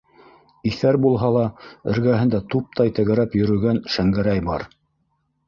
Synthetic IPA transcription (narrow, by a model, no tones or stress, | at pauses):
iθæɾbulˠɦɑlˠɑɘ̆ɾɡæɦɘ̆nd̪æt̪up̚t̪ɑjt̪ɘ̆ɣɘ̆ɾæpjɵ̆ɾɵ̆ɡænʃæŋɡæɾæjbɑɾ